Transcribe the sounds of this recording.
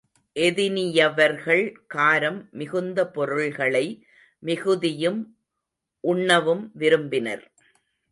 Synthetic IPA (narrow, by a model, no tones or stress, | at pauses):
ʔɛðɪnɪjɐʋɐɾɣɐɭkaːɾɐmːɪɣɯnd̪ɐpɔɾɯɭɣɐɭɐɪ | mɪɣɯðɪjɯm | ʔʊɳːɐʋɯmʋɪɾɯmbɪnɐ̰ɾ